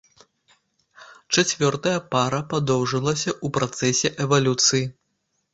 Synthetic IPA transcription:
t͡ʂat͡sʲvʲɔrt̪ɐjɐpaɾɐpad̪ɔwʐɨlˠɐsʲɐʔupɾat̪sɛsʲɛʔɛvalʲut̪sɨji

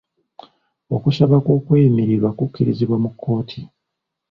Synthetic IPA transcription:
o̞kuʃaβakwo̞ːkweːimiɾiɾwakukʲːiɾiziβwamukʰːo̞ːtʰi

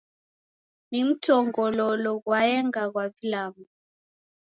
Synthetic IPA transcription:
nim̩tʰɔŋɡɔlɔlɔɣwaɛŋɡaɣwavilamu

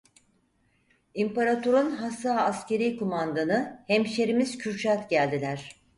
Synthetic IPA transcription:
impaɾat̪ʰoɾunɦasːaːsce̞ɾijkomand̪anɯhemʃeɾimiz̥cʰyɾt͡ʃat̪ɟælʲd̪ilʲæɾ̝̥

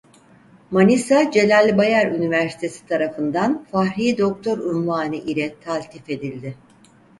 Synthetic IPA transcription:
manisad͡ʒe̞lʲalʲbajaɾynivæɾsi̥t̪ʰe̞si̥t̪ʰaɾafɯnd̪anfahɾijd̪o̞k̚t̪ʰo̞ɾynvaːnɯʔilʲɛt̪ʰalʲt̪ʰife̞d̪ilʲd̪ɪ

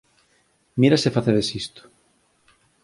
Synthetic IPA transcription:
miɾasefaθeɾesist̪o̥

